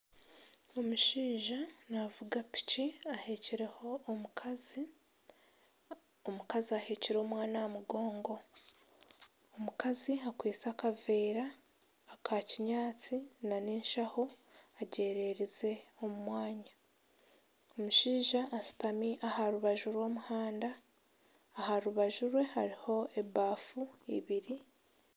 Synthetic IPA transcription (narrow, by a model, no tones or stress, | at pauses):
omuʃiːʒanavuɡapi̥ciaheciɾeho̞ːmukazi | omukaziaheciɾemwaːnaamuɡo̞ːŋɡo̞ | omukaziakwiːt͡sakaveːɾaː | kʰaːciɲaːt͡sinaneːnʃaho̞aɟe̞ːɾe̞ɾize̞o̞mumwaːɲa | omuʃiːʒaːsi̥tamiʔahaɾuβaʒuɾwo̞ːmuhaːndaː | haɾuβaʒuɾwe̞haɾiho̞e̞baːfuḭβiɾi